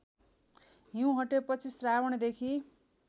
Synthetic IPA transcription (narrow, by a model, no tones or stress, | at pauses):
ɦiũɦʌʈepʌt͡sʰisrawʌɽ̃d̪ekʰi